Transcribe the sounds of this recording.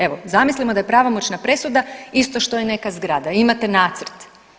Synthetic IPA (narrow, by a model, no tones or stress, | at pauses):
e̞ʋo̞zamislimo̞d̪aje̞pɾaʋomo̞t͡ʃnapɾe̞sud̪aist̪o̞ʃt̪o̞jene̞kazɡɾaːd̪aimat̪e̞naːt̪sr̩t̪